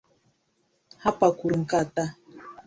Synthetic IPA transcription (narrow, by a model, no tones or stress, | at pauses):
hapakʊɾʊŋkat̪a